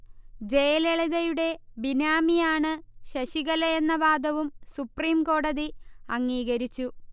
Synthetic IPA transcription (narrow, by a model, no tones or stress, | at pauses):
d͡ʑejleɭiðɐjuɽe̞binaːmijaːɳɨɕɐɕiɣɐlɐjenːɐbaːd̪ɐʋumsupriːmko̞ːɽɐðiɐŋːiːɣɐɾit͡ɕːu